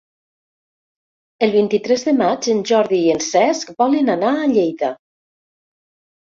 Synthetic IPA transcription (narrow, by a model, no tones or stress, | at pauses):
əlˠβint̪it̪ɾɛzðəmad͡ʒenʒɔɾðiːensɛskbɔlənanaəʎejt̪a